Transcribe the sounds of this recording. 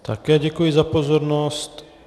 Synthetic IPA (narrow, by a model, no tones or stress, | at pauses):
t̪ʰakɛːɟɛkujɪzapozoɾnost̪